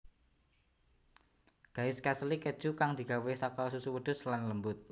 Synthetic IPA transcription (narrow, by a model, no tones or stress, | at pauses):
ɡ̥a̤ɪskaslikəd̥ʒ̥ukaŋd̪̥i̤ɡ̥a̤wesakɔsusuwəɖ̪̥ʊslanləmbʊt̪̚